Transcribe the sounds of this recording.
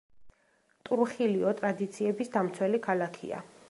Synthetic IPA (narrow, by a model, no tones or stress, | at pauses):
t̪ʼuɾuχiliɔt̪ʼɾad̪it̪sʰiɛbisd̪amt̪sʰwɛlikʰalakʰḭa̰